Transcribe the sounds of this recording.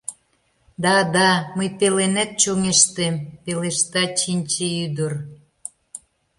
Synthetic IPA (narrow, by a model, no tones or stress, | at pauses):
d̪ɑd̪ɑməjpelenet̪̚t͡ɕoŋeʃt̪empeleʃt̪ɑt͡ɕinʲt͡ɕeyd̪ə̆r